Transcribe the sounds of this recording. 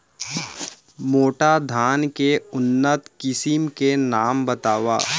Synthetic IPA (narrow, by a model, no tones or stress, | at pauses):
moːʈad̪ʱaːnkeʊnːət̪kɪsɪmkenaːmbət̪aːʋa̰ː